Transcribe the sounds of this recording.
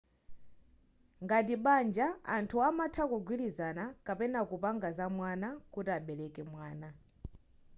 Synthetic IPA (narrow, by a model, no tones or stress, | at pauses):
ŋɡatiɓand͡ʒa̰ːntʰuamatʰakɔɡwilizanakapɛnakupaŋɡazamwanakutiaɓɛlɛkɛmwaːna